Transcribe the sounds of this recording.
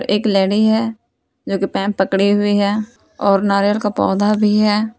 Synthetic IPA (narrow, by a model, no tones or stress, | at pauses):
ɾʔeːklɛːɽiɦɛː | d͡ʒoːkipɛ̃ːpːəkɽiɦʊiɦɛː | ɔːɾnaːɾjəlkapɔːd̪abʱiɦɛː